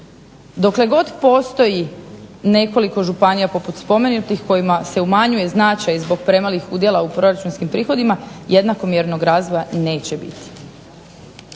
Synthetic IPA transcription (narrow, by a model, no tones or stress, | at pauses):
d̪o̞kle̞ɡo̞d̪po̞st̪o̞jine̞ko̞liko̞ʒupanijapo̞put̪spo̞menut̪ixko̞jimase̞umaɲuje̞znat͡ʃajzbo̞ɡ̚pɾe̞malixud̪je̞lˠaupɾo̞ɾat͡ʃunskimpɾiːxo̞d̪imaje̞d̪nako̞mje̞ɾno̞ɡɾaːzʋojane̞ːt͡ɕebḭt̪i̥